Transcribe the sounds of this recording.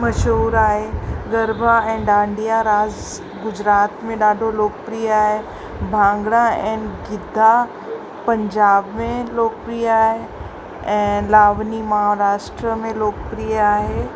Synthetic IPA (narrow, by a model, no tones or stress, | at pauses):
mɐʃɦuːɾaːɦeɡɐɾbʱaɛ̃ːɗãːɳɖijaɾaːd͡ʑ | ɡʊd͡ʑɾaːt̪mẽɗaːɖʱoloːk̚pɾijaːɦe | bʱãːŋɡɽaɛ̃ːnɡɪd̪ʱːa | pɐ̃ɲd͡ʑaːbmẽloːk̚pɾiːaːɦe | ɛ̃ːlaːʋnimɐɦaɾaːʃʈɾəmẽloːkpɾiːaːɦeː